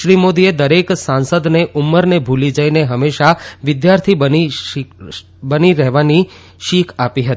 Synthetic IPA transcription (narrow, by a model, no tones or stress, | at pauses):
ʃɾimod̪ied̪əɾeksãnsəd̪neʔumːəɾnebʱulid͡ʒəineɦəmːeʃaʋɪd̪jaɾt̪ʰibəni | bəniɾɛɦʋani | ʃikʰapiɦət̪ii